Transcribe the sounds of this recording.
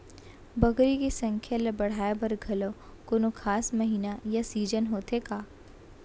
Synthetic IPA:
bɐɡɾikesɐ̃ŋkʰjalɐbɐɽ̤aːebɐɾɡʱɐlo | koːnokʰaːsmɐɦiːnajasiːd͡ʒənɦoːt̪ekaː

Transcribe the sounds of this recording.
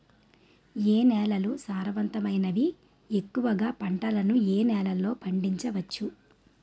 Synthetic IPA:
eːnɛːlɐlusaːɾɐʋɐnt̪ɐmɐjnɐʋi | e̞kːuʋɐɡaːpɐɳʈɐlɐnueːnɛːlɐlːo̞ːpʰɐɳɖiɲt͡ʃɐʋɐt͡ʃːu

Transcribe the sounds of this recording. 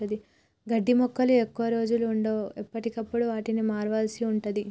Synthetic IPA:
ɐd̪i | ɡɐɖːimɔkːɐluekːuʋɐɾo̞ːd͡ʒuluːɳɖoːepːɐʈikɐpːuɽuʋaːʈinimaːɾʋaːlɐsiuɳʈud̪i

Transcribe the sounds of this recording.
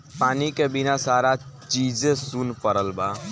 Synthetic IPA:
paːnikebinasaɾat͡ʃid͡ʒẽsunpəɾəlba

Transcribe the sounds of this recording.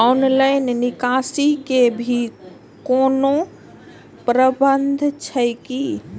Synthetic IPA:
anlaɪnnikasikebʱi | koːno | pɾəbənd̪ʱt͡ʃʰəjki

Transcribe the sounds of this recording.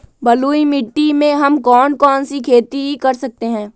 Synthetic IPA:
bɐluːimɪʈːimẽɦɐmkɔːnkɔːnsikʰeːt̪iikɐɾsɐk̚t̪eɦɛ̃ː

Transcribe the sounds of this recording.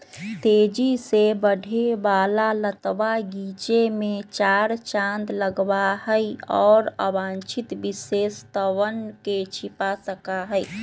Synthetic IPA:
t̪ed͡ʒisebəɖʱebaːlalət̪ʋaɡit͡ʃemẽt͡ʃaɾt͡ʃãnd̪ləɡbahəiɔːɾə̰bãnt͡ʃʰit̪bisest̪əʋənket͡ʃʰipasəkaɦəi

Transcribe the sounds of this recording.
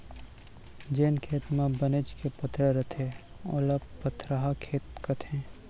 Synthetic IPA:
d͡ʒeːnkʰeːt̪mãbəned͡ʒkʰepɐt̪ɾəɾɐt̪ʰe | o̰ːlapət̪ʰɾaɦakʰeːt̪kət̪ɛ̃ː

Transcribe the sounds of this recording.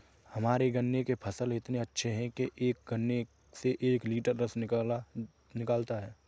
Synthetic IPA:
hɐmaːɾeɡɐnjekepʰəsəlɪt̪neɐtːʃʰeɦɛ̃keʔeːk̚ɡənːe | seʔeːkliːʈəɾɾəs | nɪkaːlt̪aɦɛː

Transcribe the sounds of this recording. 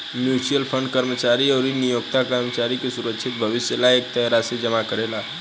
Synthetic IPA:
mjusijəlpʰə̃ɳɖ̚kəɾmət͡ʃaɾiɔːɾinijoɡt̪akəɾmət͡ʃaɾikesuɾəkʃʰit̪̚bʱəʋɪsjəlaeːk̚t̪əɦɾased͡ʒəmakəɾela

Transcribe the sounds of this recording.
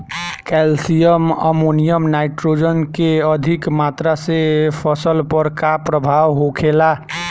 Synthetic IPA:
kɛlsijəmə̰monijəmnaɪʈɾod͡ʒənkeəd̪ʱikmat̪ɾasepʰəsəlpəɾkapɾəbʱawɦokʰela

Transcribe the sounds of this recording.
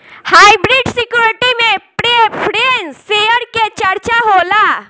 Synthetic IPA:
haːibɾiːɖsɪkjuːɾɪʈimẽpɾeːpʰɾensejəɾket͡ʃɐɾt͡ʃaɦoːlaː

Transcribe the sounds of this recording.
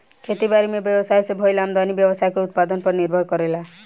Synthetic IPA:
kʰet̪ibaɾimebjɔbɔsajsebʱojlamd̪ɔnibjɔbɔsajkuut̪̚pad̪ɔnpɔɾniɾbʱɔɾkɔɾela

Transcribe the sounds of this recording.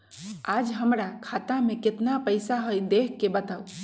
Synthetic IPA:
ad͡ʒɦəmɾakʰat̪ameket̪napəjsaɦojd̪ekʰkːebət̪au

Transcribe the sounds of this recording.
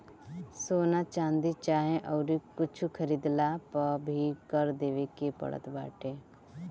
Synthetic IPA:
soːnat͡ʃãːnd̪it͡ʃaːɦẽʔɔːɾikʊt͡ʃʰukʰəɾiːd̪lapəbʱikəɾd̪eːʋekepə̰ɽə̰t̪ba̰ːʈeː

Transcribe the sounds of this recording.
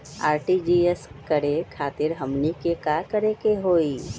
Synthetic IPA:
a̰ːɾʈid͡ʒieskəɾekʰaːt̪ɪɾɦəmnikekakəɾekeɦoːi

